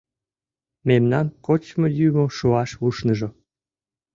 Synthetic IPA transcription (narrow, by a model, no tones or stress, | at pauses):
memnɑnkot͡ɕmojymoʃuɑʃuʃnəʒo